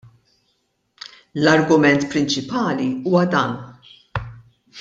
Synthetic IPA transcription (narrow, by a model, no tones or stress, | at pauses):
lɐɾɡʊmɛnt̪pɾɪnt͡ʃɪpɐːliuːwɐd̪ɐːn